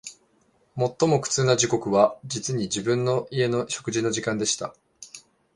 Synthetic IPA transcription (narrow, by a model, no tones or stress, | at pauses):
mo̞t̪ːo̞mo̞kɯ̟̥t͡sɨːnaʑiko̞kɯ̟βad͡ʑit͡sɨɲ̟id͡ʑibɯ̟̃nːo̞ʔie̞no̞ɕo̞kɯ̟ʑino̞ʑikãnd̪e̞ɕi̥t̪a̰